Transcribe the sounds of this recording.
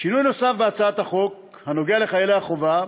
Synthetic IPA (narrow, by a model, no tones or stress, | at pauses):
ʃinujno̞safbeat͡saat̪haχo̞k̚ | hano̞ɡeale̞χajelehaχo̞va